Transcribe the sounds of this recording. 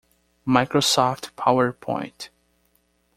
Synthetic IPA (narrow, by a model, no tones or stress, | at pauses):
majkɾosɔftpʰawəɹpʰɔ̰̃j̃nt